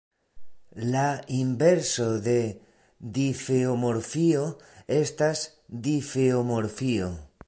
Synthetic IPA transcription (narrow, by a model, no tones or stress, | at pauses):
laimbe̞ɾso̞de̞ | difeomo̞ɾfioe̞stas | d̪ifeomo̞ɾfio